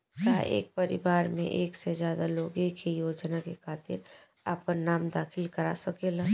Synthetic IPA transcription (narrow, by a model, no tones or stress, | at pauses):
kaḛːk̚pəɾɪ̰baːɾmḛ̃ʔeːksezjaːd̪aloːɡekʰejoːd͡ʒnakekʰaːt̪ɪ̰ɾ | a̰ːp̚kəɾnaːmd̪aːxʰɪlkɐɾa̰sɐkelaː